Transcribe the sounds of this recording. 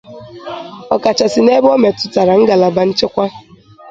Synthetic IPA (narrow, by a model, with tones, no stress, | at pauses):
ɔ˨ka˨t͡ʃa˨sɪ˨ne˦bo˦me˨tʊ̥˨ta˨ɾa˨ŋ̩˦ɡa˨la˨ba˨n̩˦t͡ʃe˦kʷa˦